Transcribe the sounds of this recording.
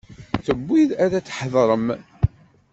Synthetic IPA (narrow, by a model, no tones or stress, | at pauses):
θəbʷːiðæɾæt͡sːħðˤɾˤəm